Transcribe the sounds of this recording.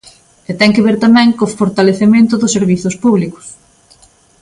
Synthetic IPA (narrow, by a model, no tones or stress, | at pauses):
et̪ɛŋkɪβeɾt̪amɛ̃ŋkofoɾt̪aleθemẽnt̪ʊðʊsːeɾβiθʊspuβlikʊ̥s